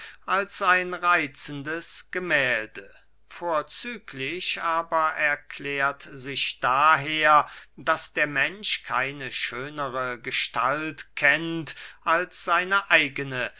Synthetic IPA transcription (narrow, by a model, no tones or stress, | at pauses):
ʔalsaɪnʁaɪt͡sn̩dəsɡ̥əmɛːldə | foːɐt͡syːklɪçʔaːbɐʔɛɐkʰlɛːɐtzɪçd̥aːɦeːɐd̥asd̥eːɐmɛnʃkʰa̰ɪnəʃøːnəʁəɡəʃtʰa̰ltkʰɛntʔalsz̥aɪnəʔaɪɡənə